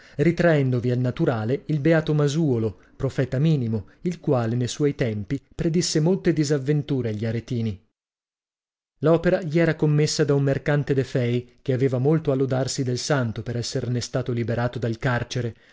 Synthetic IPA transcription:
rit̪ɾaɛnd̪ovialnat̪uɾaːleilbeaːt̪omazuolo | pɾofɛːt̪amiːnimoilkwaːlenejswɔjt̪ɛmpipɾed̪isːemolt̪ed̪izavːent̪uːɾeaʎːiaɾet̪iːni | lɔːpeɾaʎiɛːɾakomːesːad̪aumːerkant̪ed̪efɛjk̟eaveːvamolt̪oalːod̪arsid̪elsant̪opeɾɛsːernest̪aːt̪olibeɾaːt̪od̪alkart͡ʃeɾe

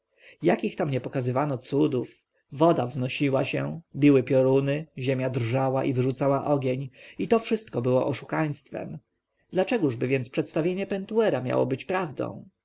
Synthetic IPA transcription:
jakʲixt̪amɲɛpɔkazɘvanɔt̪sud̪uf | vɔd̪avznɔɕiwaɕɛbʲiwɘpʲjɔɾunɘʑemʲjad̪rʐawaʔivʐut̪sawaʔɔɡʲjeɲit̪ɔfʂɘst̪̚kɔbɘwɔʔɔʂukaj̃st̪fɛ̰m | d̪lat͡ʂɛɡuʐbɘvʲjɛnt̪spʂɛt̪st̪avʲjeɲɛpɛnt̪uɛɾamʲja̰wɔ̰bɘt͡ɕpɾavd̪ɔ̰̃w̃

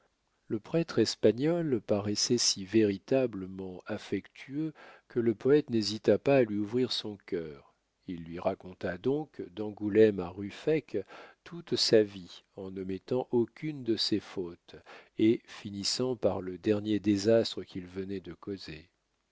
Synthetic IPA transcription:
ləpχɛt̪χɛspaɲɔlpaʁɛsɛsiveʁit̪abləmɑ̃afɛkt̪ʰyøkʰələpɔɛt̪nezit̪apaːlɥiuvʁiʁsɔ̃kʲœːʁ | ilːɥiʁakɔ̃t̪ad̪ɔ̃kd̪ɑ̃ɡulɛmaʁyfɛkt̪ʰut̪saviɑ̃nəmɛt̪ɑ̃ʔokʲʰynd̪əsefot̪efinisɑ̃paʁləd̪ɛʁnjed̪ezast̪χəkʲilvənɛd̪əkoze

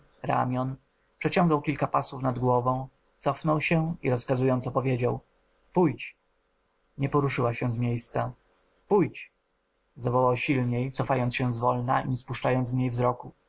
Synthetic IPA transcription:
ɾa̰mʲjɔn | pʂɛt͡ɕɔ̃ŋɡawkʲilkapaswufnad̪ɡwɔvɔ̃w̃ | t̪sɔfnɔwɕɛiɾɔskazujɔnt̪sɔpɔvʲjed͡ʑaw | pujt͡ɕ | ɲɛpɔɾuʂɘwaɕɛ̃zmʲjejst̪sa | pujt͡ɕ | zavɔwawɕilɲejt̪sɔfajɔntsɕɛ̃zvɔlna̰ḭɲɛspuʂt͡ʂajɔnd̪zɲejvzɾɔku

